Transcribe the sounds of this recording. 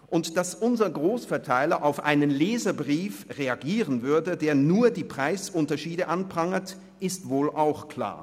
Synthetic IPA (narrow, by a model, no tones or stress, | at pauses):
ʔʊntd̥asʔʊnzɐɡʁoːsfɛɐtʰaɪlɐʔaʊfʔa̰ɪnənleːzɐbʁiːfʁeaɡiːʁənvʏɐdədeːɐnuːɐdiːpʁ̥aɪsʔʊntɐʃiːdəʔanpʁ̥aŋət | ʔɪstv̥oːlʔaʊxkl̥a̰ːɐ